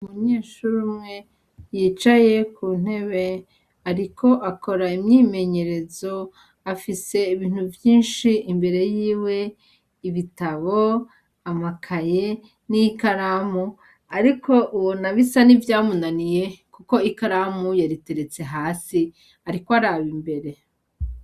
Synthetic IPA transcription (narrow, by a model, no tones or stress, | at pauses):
umuɲeːʃuɾumŋe̞ | jiːt͡ʃaje̞kʰuːn̥he̞βe̞ | aɾikʰo̞ʔako̞ɾaimɲiːme̞ɲe̞ɾe̞zo̞ | afise̞iβiːn̥huvjiːnʃiʔimbe̞ɾe̞jiːwe̞ | iβitaβo | amakʰaje | nikaɾamu | aɾikʰo̞ʔuβonaβisanivjaːmunanije̞kuko̞ikaɾamujaɾite̞ɾet͡se̞ɦaːsi | aɾikoaɾaβimbe̞ɾe̞